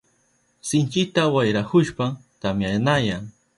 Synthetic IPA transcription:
sɪnt͡ʃɪt̪awajɾakʊʃpat̪amjanajaŋ

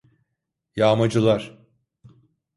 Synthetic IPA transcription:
jaːmad͡ʒɯlˠaɾ̥

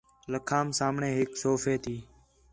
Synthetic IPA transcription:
ləkʰaːmsaːmɳeːɦɪksoːfeːt̪ʰiː

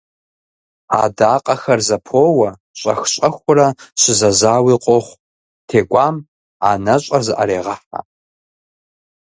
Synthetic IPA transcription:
a̰ːdaːqʼɐxɐrzɐpʰoːwɐ | ɕʼɐxɕʼɐxʷʊrɐɕɪzɐzaːwiːqʷʼɔχʷ | tʰeːɡʷaːm | aːnɐɕʼɐrzɨʔɐ̰ɾeːʁɐħa̰

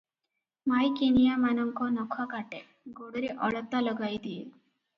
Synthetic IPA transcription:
majkenijamanəŋkɔnɔkʰɔkaʈe | ɡʱoɽɾiʔəɭət̪ːaləɡajd̪ije

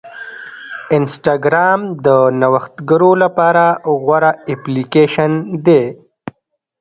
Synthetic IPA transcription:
ɪnsʈaɡɾɑmd̪ənawəxt̪ɡəɾolapɑːɾaɣwaɾaeplikeʃənd̪e

